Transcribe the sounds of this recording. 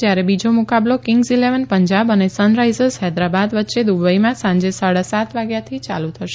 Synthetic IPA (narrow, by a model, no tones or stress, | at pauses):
d͡ʒjaɾebid͡ʒomukablokɪŋɡsileʋənpəɲd͡ʒabənesənɾajzəsɦɛd̪ɾabad̪ʋətːʃed̪ubəimãsãɲd͡ʒesaɽasat̪ʰʋaɡjat̪ʰit͡ʃa̰lut̪ʰəʃe